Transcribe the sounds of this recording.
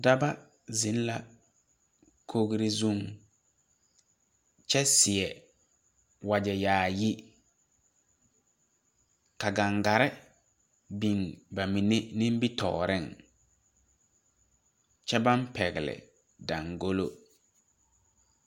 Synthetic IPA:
da˦ba˦ | zɪ˨˦n˦la˨ | kʰo˦ɣɾɪ˦zu˦˨ŋ | t͡ʃɛ˦sɪ˨ɛ˨ | wa˨d͡ʒɛ˨jaː˨ji˦ | ka˨ɡa˨ŋɡa˨ɾɪ˦ | bi˨ŋba˨mĩ˨nɪ˦nɪ̃˦m˦bi˦tɔ̰ː˨ɾɪ˦˨ŋ | t͡ʃɛ˦ba˦mpɛ˨ɣɪ˨lɪ̰˨ | da˨ŋɡo˦lo̰˦

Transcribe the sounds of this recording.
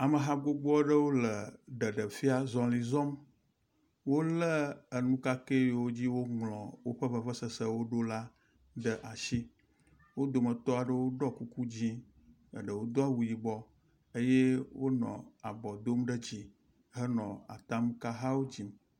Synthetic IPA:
a˨mə˨ɦa˦ɡ͡bo˦ɡ͡bɔ˦ɖə˦wo˦lə˨ɖə˨ɖə˨fi˦a˦zɔ̃˨li˨zɔ̃˦m | wo˦lə˦ə˨nũ˦ka˦ke˦jwo˦d͡ʑi˦wo˦ŋlɔ̃˨wo˦ɸə˦və˨və˦sə˦˨sə˦wo˦ɖo˦la˦ | ɖə˦ʔa˨ʃi˦ | wo˦d̪o˨mə˨t̪ɔ˦a˨ɖə˦wo˦ɖɔ˦ku˦ku˦d͡ʑi˦ | ə̰˨ɖə˨wo˦d̪o˦a˦wu˨ji˨bɔ˦ | e˦je˦wo̰˦nɔ̰̃˨a˨bɔ˨d̪o˦mɖə˦d͡ʑi˨ | ɦə˦nɔ̃˨a̰˨t̪a˦m˦ka˦ɦa˦wo˦d͡ʑi˦m

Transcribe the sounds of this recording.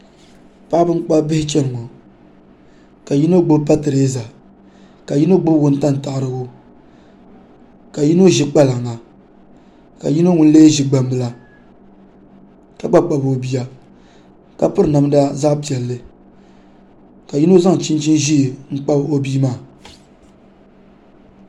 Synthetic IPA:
pa˦bɨ˦k͡pa˦bɪ˦hɪ˦t͡ʃɛ˦lɨ˨ŋɔ˨ | ka˨ji˦no˦ɡ͡bʊ˦bpa˦tɨ˨ɾe˦za˨ | ka˨ji˦no˦ɡ͡bʊ˦ɡʊ˦n̩˦ta˦n˨ta˨ʔɾɨ˦ɡo˦ | ka˨ji˦no˦ʒi˦k͡pa˦la˨ŋːa˨ | ka̰˨ji˦no˦ŋʊ˦n˦le˦ʒi˦ɡ͡ba˦mbɨ˦la˦ | ka˦ɡ͡ba˦k͡pa˨bo˨bi˦ja˦ | ka˦pɨ˦ɾɨ˨na˨m˦da˦za˦ʔpi˨ɛ˨lːɨ˦ | ka˨ji˦no˦za˦ŋ˨t͡ʃi˦n˦t͡ʃi˦nʒi˦˨ŋ̩˦k͡pa˦bo˦biː˦maː˦˨

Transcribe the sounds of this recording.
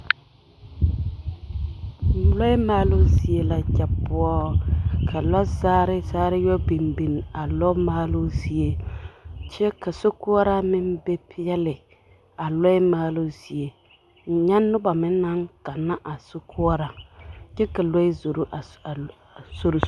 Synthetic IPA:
n̩˨lɔ˦ɪ˦maː˦lʊ˦zi˨e˦la˨d͡ʒa˨pʊ˦ɔ˦kʰa˨la˦zaː˦ɾɪ˦zaː˦ɾɪ˦jɔ˦bi˨mbi˨n˨a˨lɔ˦maː˦lʊ˦zi˨e˦ | t͡ʃɛ˦ka˨so˦kʊ˦ɔ˦ɾa˦mɪ˦m˦be˦pʰɪ˦jɛ˦lɪ˨ | a˨lɔ˦ɪ˦maː˦lʊ˦z̥i˨e˨ | n̩˨ɲa˦nːʊ˦ba˨mɪ˦nːa˦ŋka˨nːa˦ʔa˨sʊ˦kʰʊ˦ɔ˦ɾa˨d͡ʒɛ˦ka˨lɔ˦ɪ˦zo˨ɾo˦˨ | so˦ɾʊ˨

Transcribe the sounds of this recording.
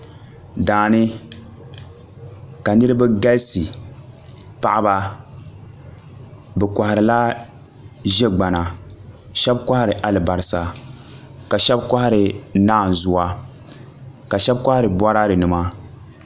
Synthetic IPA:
daː˨nɪ˦ | ka˨nɨ˦ɾɨ˦bɛ˦ɡa˦lsi˨ | pa̰˦ʔa˦ba˦ | bɛ˨ka˨ha˨ɾɨ˨la˦ | ʒɛ˦ɡ͡ba˨na˨ | ʃɛ˦bkʷa˦ha˦ɾɨ˨ʔa˨lɨ˨ba˨ɾɪ˨sa˨ | ka˨ʃɛ˦bka˦ha˦ɾɪ˨naː˦˨n˨zʊ˨wa˦ | ka˨ʃɛ˦bka˦ha˦ɾɨ˨ba˦ɾa˦ɾɨ˨nɨ˨ma˦

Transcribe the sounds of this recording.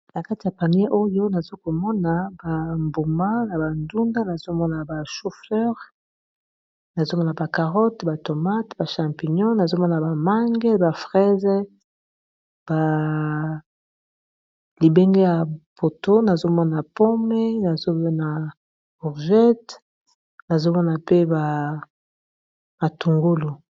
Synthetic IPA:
na˨ka˦ti˨ja˨pa˨n˦e˦ʔo˦jo˦na˨zo˦ko˨mɔ˦na˨ba˨mbu˨ma˦na˨ba˨ndu˦nda˦na˨zo˦mɔ˦na˨ba˨ʃo˦fɛ˦ʁ | na˨zo˦mɔ˦na˨ba˨ka˨ʁɔ˦tba˨to˨ma˦tba˨ʃã˨mpi˨ɲɔ̃˦na˨zo˦mɔ˦na˨ba˨ma˦ŋɡɛ˦ba˨fʁɛ˦zɛ˦ | b̥a˨ | li˨be˦ŋɡe˦ja˨po˨to˦na˨zo˦mɔ˦na˨po˦mɛ˦na˨zo˦bɔ˦na˨ | bu˨ʁʒɛ˦t | na˨zo˦mɔ˦na˨pe˦ba˨ | ma˨tu˨ŋɡo˦lu˨

